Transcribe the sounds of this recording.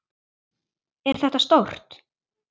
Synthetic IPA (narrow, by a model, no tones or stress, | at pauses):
ɛɾ̥θɛht̪ast̪owr̥t̪